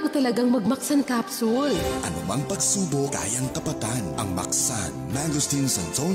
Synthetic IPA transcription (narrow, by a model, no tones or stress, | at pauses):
kʊt̪ɐlɐɡaŋmɐɡ̚mɐksɐnkaːpsʊlʔɐnʊmɐŋpɐɡ̚suːbokka̰ːjɐŋkɐpɐt̪anʔɐ̰ŋmɐ̰k̚sanːaɡʊst̪insɐnso